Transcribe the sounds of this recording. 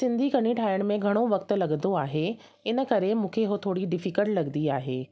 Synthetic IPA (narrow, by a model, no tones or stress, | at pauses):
sɪ̃nd̪ʱikɐñiʈʰaːɪəɽ̃̆mẽɡʱɐɽ̃oʋɐkt̪ʊ̆lɐɠənd̪oaːɦe | ɪnə̆kɐɾemũːkʰeɦot̪ʰoːɽiɖɪfɪkəʈlɐɠənd̪iaːɦeː